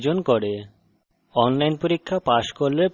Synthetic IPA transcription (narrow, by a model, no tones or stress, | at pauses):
d͡ʑonkoɾe | ɔnlajnpoɾikʰːapaʃkolleɾp